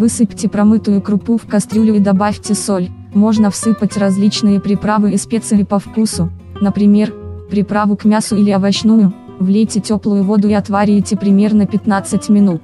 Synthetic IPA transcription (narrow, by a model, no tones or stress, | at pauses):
vɨsɨpʲtʲɪpɾɐmɨt̪ʊjʊkɾʊpufkɐst̪ɾʲulʲʊid̪ɐbafʲtʲɪsolʲ | mo̞ʐnəfsɨpətʲrɐzʲlʲit͡ɕnɨjəpɾʲɪpɾavɨɪspʲet̪səvʲɪpɐfkusʊ | nəpɾʲɪmʲe̞rpɾʲɪpɾavʊkmʲasʊilʲɪɐvɐt͡ɕnujʊ | vlʲejtʲɪtʲoplˠʊjʊvo̞d̪ʊɪɐt̪vaɾʲɪjtʲɪpɾʲɪmʲe̞rnəpʲɪt̪nat̪sɨtʲmʲɪnut̪